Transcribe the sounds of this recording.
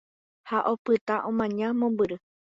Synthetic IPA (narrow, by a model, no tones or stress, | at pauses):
haʔo̞pɨt̪aʔõmãɲãmõmbɨɾɨ